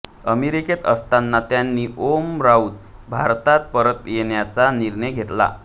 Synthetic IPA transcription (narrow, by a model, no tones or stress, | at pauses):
əmeɾiket̪ə̰st̪anːat̪janːiʔomɾaut̪̚bʱaɾt̪at̪̚pəɾət̪jeɳjat͡saniɾɳəjɡʱet̪la̰